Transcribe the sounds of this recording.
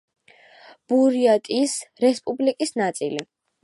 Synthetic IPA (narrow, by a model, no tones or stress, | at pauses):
b̥uɾiat̪ʼisɾɛspʼublikʼisnat̪sʼḭli